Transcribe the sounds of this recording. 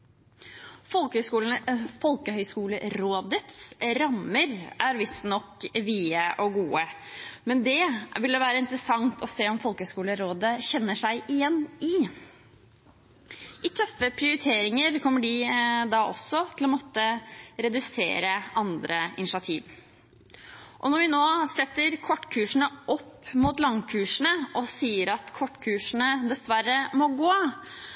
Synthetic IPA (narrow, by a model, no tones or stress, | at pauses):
fɔlkkuːləfɔlkəhœʏskuːləɾoːd̪ət̪sɾɑməɾʔæɾʋɪsnɔkʋiːəʔɔɡuːəmɛnd̪ɛʋɪld̪əʋæːɾəɪnt̪ɾəsɑŋt̪ʰɔseːɔmfɔlkəœskuːləɾoːd̪əçɛnːəʂæɪʔɪjɛnːɪ | ʔɪt̪ʰœfəpʰɾɪʊɾɪt̪ʰeːɾɪŋəɾkʰɔmːəɖɪd̪ɑːʔɔ̰sːɔt̪ʰɪlɔmɔt̪ːəɾɛd̪ʉsḛːɾəɑnd̪ɾəɪ̰nɪʂɑt̪ʰiːʋ | ʔɔnɔɾʋɪnoːsɛt̪ːəɾkʰɔʈːkʰʉːʂɳ̩əʔɔpːmuːt̪lɑŋkʰʉːʂɳ̩əʔɔsiːəɾɑt̪kʰɔʈːkʰʉːʂɳ̩əd̪ɛsʋæɾːəmɔɡoː